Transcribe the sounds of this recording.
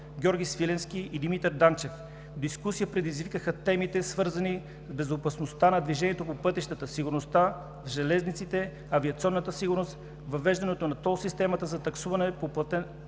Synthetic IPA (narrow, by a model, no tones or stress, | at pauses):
ɡʲɔɾɡʲisvilɛnsk̟iid̪imit̪ɛɾd̪ant͡ʃɛf | d̪iskusijəpɾɛd̪izvikəxət̪ɛmit̪ɛsvɤɾzəni | zbɛzopɐsnost̪anɐd̪viʒɛniɛt̪opopɤt̪iʃt̪ət̪əsiɡuɾnost̪a | vʒɛlɛznit̪sit̪ɛ | ɐviɐt̪siɔnːət̪əsiɡʊɾnost̪ | vɐvɛʒd̪ɐnɛt̪onɐt̪ɔlˠsist̪ɛmɐt̪əzɐt̪ɐksuvɐnɛpopˠɐt̪ɛ